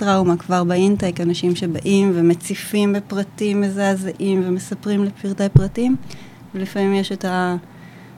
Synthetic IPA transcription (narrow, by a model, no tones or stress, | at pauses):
tʁawmakvaʁbaintekanaʃimʃe̞baʔimvemet͡sifimbepʁatimezaːzaʔimveme̞sapʁimlepiʁtepʁatim | velifamimjeʃeta